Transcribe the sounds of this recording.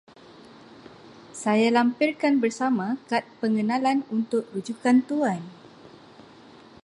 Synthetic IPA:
sajalampirkanbərsamãkat̪̚pəŋənãlanunt̪ʊk̚rud͡ʒukant̪uan

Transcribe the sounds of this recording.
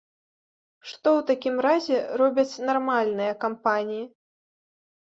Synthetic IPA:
ʂt̪ɔwt̪akʲimɾazʲɛɾɔbʲɐt͡sʲnarmalʲnɨjɐkampanʲiji

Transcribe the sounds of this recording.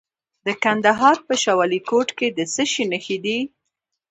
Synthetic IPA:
d̪̥əkand̪aɦɑɾpəʃawɑlikoʈked̪əsəʃinəxid̪i

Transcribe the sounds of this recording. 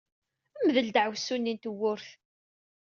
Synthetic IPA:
æmðəld̪əʕwsunːint̪əwːʊɾθ

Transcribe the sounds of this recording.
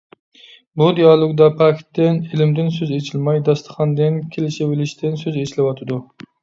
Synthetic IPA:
bud̪ijɑlˠoɡd̪ɑpʰɑkʲʰt̪ːɪnɪlɪmd̪ɪnsøzet͡ʃʰilmɑjd̪ɑst̪ʰə̥χɑnd̪ɪnkʲʰelɪʃɪwɪlɪʃt̪ʰɪnsøzet͡ʃlɪwɑt̪ʰɨd̪u

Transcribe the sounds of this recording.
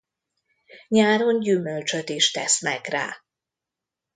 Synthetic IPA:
ɲaːɾo̞ɲɟymølt͡ʃøt̪iʃt̪ɛsnɛkra̰ː

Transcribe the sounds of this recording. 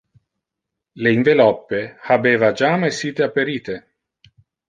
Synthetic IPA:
leiɱvelɔpːehabeːvad͡ʒamesiːt̪eapːeɾiːt̪e

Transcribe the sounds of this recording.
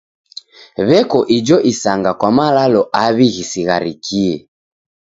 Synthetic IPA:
βɛkɔʔid͡ʒɔʔisaŋɡakwamalalɔʔaβiɣisiɣaɾikʰiɛ

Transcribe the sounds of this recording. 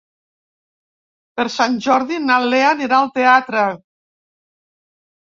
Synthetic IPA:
pəɾsanʲʒɔɾðinaleaniɾaəlˠt̪eat̪ɾə

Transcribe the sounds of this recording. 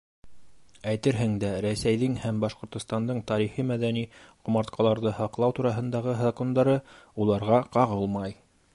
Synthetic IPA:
æjt̪ɘɾɦɘŋd̪æɾæsæjðɘŋhæmbɑʃqŏɾt̪ŏst̪ɑnd̪ɤɴt̪ɑɾiχimæðæniqŏmɑɾt̪qɑlˠɑɾðɤhɑqlˠɑwt̪uɾɑɦɤ̆nd̪ɑʁɤzako̞nd̪ɑɾɤulˠɑɾʁɑqɑʁɤlˠmɑj

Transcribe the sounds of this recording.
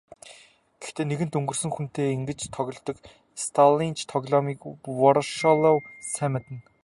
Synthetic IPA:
ɡ̥ext̪ʰeːneɣɘ̆nt̪ɵŋɡɵ̆rsɵ̆ŋxun̥t̪eːiŋɡɘ̆t͡ɕt̪ʰɔɣʲɞ̆ɮt̪ɞ̆k | st̪ʰalint͡ɕʰt̪ʰɔɣɮɔmiːkwɔɾʃɔlɔwsæmʲɪ̆t̪ɘ̆n

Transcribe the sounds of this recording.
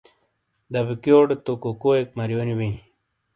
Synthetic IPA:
d̪ɐbikjoːɖt̪okokoek̚mɐɾjoːniwĩ

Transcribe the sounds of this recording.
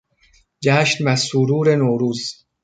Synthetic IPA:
d͡ʒæːʃnbæsuɾuːɾenoːɾuːz

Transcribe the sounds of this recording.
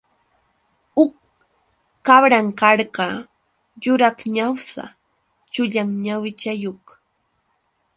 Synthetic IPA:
ʊkː | aβɾaŋkaɾɢɑ | jʊɾakɲawsa̰ | t͡ʃʊʎaŋɲawɪt͡ʃajoχ

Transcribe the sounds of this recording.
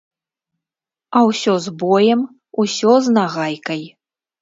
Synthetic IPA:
ɐwsʲɔzbɔjɛm | usʲɔznaɣajkɐj

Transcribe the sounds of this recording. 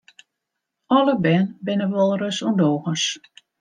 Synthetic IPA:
ɔləbɛnbɪnəʋɔlˠrøsundoːɣəs

